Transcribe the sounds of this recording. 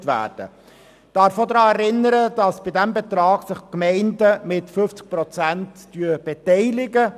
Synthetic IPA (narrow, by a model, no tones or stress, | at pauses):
tvæ̰ːɾd̥ə̰ | d̥ɑːɾfodɾɑːɛɾɪnːəɾəd̥ɑsb̥idɛmbɛt̪ɾɑːɡ̥sɪχkmɛɪndəmɪtfɵft͡sɪ̥k̚pɾɔt͡sæntːyːəb̥ɛtɛɪlɪɡə